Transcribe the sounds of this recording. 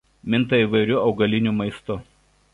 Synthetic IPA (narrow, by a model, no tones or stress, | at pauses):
mʲɪnt̪ɐiːˑʋɐɪɾʲʊɒʊɡɐlʲɪnʲumɐɪst̪ʊ